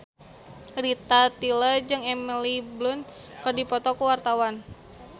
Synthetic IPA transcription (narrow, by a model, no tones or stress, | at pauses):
rit̪at̪iləd͡ʒɨŋɛmiliblʊn | kərdipɔt̪ɔkuwart̪awan